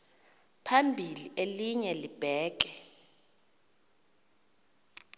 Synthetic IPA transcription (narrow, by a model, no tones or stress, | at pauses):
pʰambʱiliʔeliɲɛlib̥ʱɛːk̬ɛ